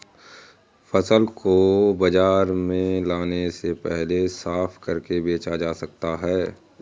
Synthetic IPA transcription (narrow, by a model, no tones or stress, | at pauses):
fɐsəlkobɐd͡ʒaːɾmẽlaːnesepɛɦlesaːpʰkɐɾkebeːt͡ʃad͡ʒaːsɐk̚t̪aɦɛː